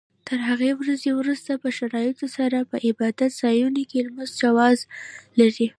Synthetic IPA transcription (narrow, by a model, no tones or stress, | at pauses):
t̪ʰəɾɦaɣewɾazewɾust̪apəʃaɾɑjɪt̪osaɾapəʔɪbɑd̪at̪z̥ɑjunokelmənzd͡ʒawɑzlaɾi